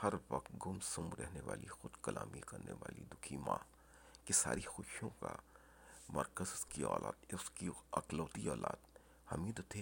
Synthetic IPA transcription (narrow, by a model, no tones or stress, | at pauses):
hɐɾʋɐq̚t̪ɡʊmsʊmɾɛɦneʋaːlixʊd̪kɐlʔaːmikɐɾneʋaːlid̪ʊkʰimaː | kisaːɾixʊːʃjõka | mɐɾkəzʊskiɔːlaːt̪skiɐqloːt̪iɔːlaːt̪ | hɐmiːd̪t̪ʰe